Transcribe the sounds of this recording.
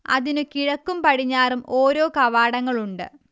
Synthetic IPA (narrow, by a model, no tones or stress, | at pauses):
ɐ̰ðinɨkiɻɐkːumpɐɽiɲːaːrumo̞ːɾo̞ːkɐʋaːɽɐŋːɐɭuɳɖɨ̰